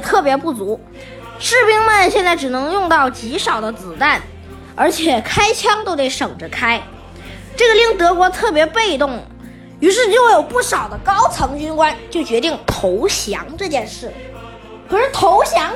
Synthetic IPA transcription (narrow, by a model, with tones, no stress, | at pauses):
t̪ʰɤ˥˩pjɛ˧˥pu˥˩t͡su˧˥ | ʂɻ̩˥˩pi˥ŋmə˥˧nɕjɛ˥˧nt͡sa˥˩ɪʈ͡ʂɻ̩˨˩nɤ˧˥ŋjʊ˥˧ŋt̪ɑ˥˩ʊt͡ɕi˧˥ʂɑ˨˩ʊd̪ə˦t͡sɹ̩˨˩t̪a˥˩n | ə˞˧˥t͡ɕʰjɛ˨˩kʰa˥ɪt͡ɕʰjɑ˥ŋt̪o˥ʊt̪e˥˩ɪʂɤ˨˩ŋʈ͡ʂə˦kʰa˥ɪ | ʈ͡ʂɤ˥˩ɡə˩li˥˩ŋt̪ɤ˧˥kwɔ˧˥t̪ʰɤ˥˩pjɛ˧˥pe˥˧ɪt̪ʊ˥˩ŋ | y˧˥ʂɻ̩˥˧t͡ɕo˥˧˥jo˨˩ʊpu˥˩ʂɑ˨˩ʊd̪ə˦kɑ˥ʊt͡sʰɤ˧˥ŋt͡ɕy˥nkwa˥nt͡ɕjo˥˩ʊt͡ɕɥɛ˧˥t̪i˥˩ŋt̪ʰo˧˥ʊɕjɑ̰˧˥ŋʈ͡ʂɤ˥˧t͡ɕjɛ˥˧nʂɻ̩˥˩ | kʰɤ˨˩ʂɻ̩˥˩t̪ʰo˧˥ʊɕjɑ˧˥ŋ